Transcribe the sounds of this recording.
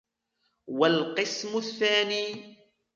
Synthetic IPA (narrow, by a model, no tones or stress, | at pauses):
walqɨsmʊθːaːniː